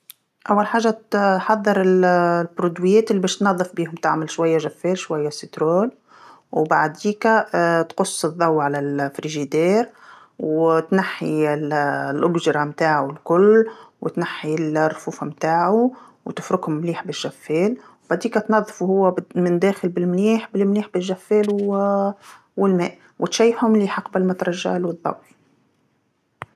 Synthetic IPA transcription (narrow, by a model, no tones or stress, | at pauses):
ʔawːalħaːʒːat̪ħɑðˤːɨɾˤɪllbɾud̪wijɛːt̪ɪlːibɛːʃt̪nɑðˤːɨfbiːhʊmt̪ɪʕmɪlʃwajːaʒafːɛːlʃwajːasit̪ɾoːl | wbaʕd̪iːkæt̪qʊsˤːɨðˤːɑwːʕalalfɾiʒid̪eːɾ | wt̪naħːiɪllʔʊbʒɾˤɑmt̪aːʕulkʊlwɪt̪naħːilrˤːfuːfamt̪aːʕu | wt̪ɪfɾʊkhʊmmliːħbɪʒːæfːɛːl | wbaʕd̪iːkæt̪nɑðˤːfuhʊwːæmɪnd̪æːxɪlbɪlmliːħbɪlmliːħbɪʒːæfːɛːlw | wɪlmɛ̰ːʔ | wʔɪt̪ʃæːjfhʊmliːħɑqbalmæt̪ɾˤɑʒːa̰lwɨðˤːɑ̰wː